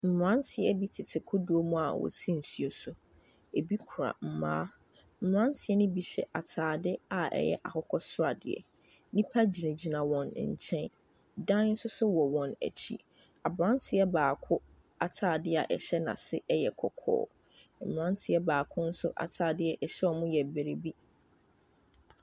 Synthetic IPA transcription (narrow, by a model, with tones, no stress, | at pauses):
m̩˨m˨ɾã˦ntʰɪ˨ɛ˦bi˦tʰɪ˨tʰɪ˨kʰʊ˦du˨o˦mũ˦a̰˨wɔ̰˨sĩ˦n̩˨su˦o˨sʊ˦ | e˨bi˦kʰu˨ɾa̰˨m̩˨mã̰ː˦ | m̩˨m˨ɾã˦ntʰɪ˨˦ɛ˦nɪ̃˦bi˨ɕɛ̰˨ʔa˨tʰaː˨dɪ˦a˨ʔɛ̰˦jɛ̰˦ʔa˨hʊ˦kʰɔ˦sʊ˦ɾa˨dɪ̰˨ɛ̰˨ | nĩ˦pʰa˦d͡ʑi˨ɾẽ˨d͡ʑi˨nã˨wɔ̃˨n˨ɲ̩˨t͡ɕʰɛ̃˦n | dã˦n˦n̩˦sʊ˦sʊ˦wɔ˨wɔ̃˨næ̰˨t͡ɕʰḭ˦ | a˨bɾã˦ntʰɪ˨ɛ˦baː˨kʰʊ˦ | a˨tʰaː˨dɪ˦a̰˨ʔɛ˨ɕɛ˦nã̰˨sɪ˦ʔɛ˦jɛ˨kʰɔ˨kʰɔ̰ː˦ | m̩˨m˨ɾã˦ntʰɪ˨ɛ˦baː˨kʰʊ̃˦n̩˦sʊ˦ʔa̰˨tʰaː˨dɪ˦ɛ˦ʔɛ˨ɕɛ˦ɔ˨mʊ̃˦jɛ˨bɛ˨ɾe˨bi˦